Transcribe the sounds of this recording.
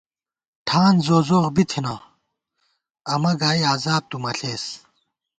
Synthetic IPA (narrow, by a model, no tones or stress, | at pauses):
ʈʰaːnzoːzoːʁbit̪ʰina | ɐmɐɡaːiaːzaːb̚t̪umɐɬeːs